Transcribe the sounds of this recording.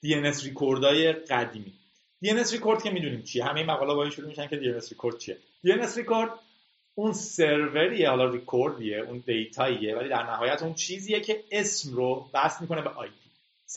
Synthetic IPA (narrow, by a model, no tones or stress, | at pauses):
d̪̥ienesrikʰoɾd̪ɒːje̞ɢæd̪iːmiː | d̪ienesɾikʰo̞ɾd̪̥̚cʰʲe̞miːd̪uniːmt͡ʃʰijeɦæme̞jemæɣɒːlɛbɒːiʃuɾumiʃæncʰe̞d̪ienesɾikʰoɾd̪̥̚t͡ʃʰie̞ | d̪ienesɾikoɾd̪ | unseɾve̞ɾijehɒːlɒrikʰoɾd̪ieund̪e̞jt̪ʰɒːijevæliːd̪æɾnæɦɒːjæt̪ʰuːnt͡ʃʰiːziːjecʰe̞esmrovæst̪miːkʰo̞ne̞beʔɒ̰jpʰi̥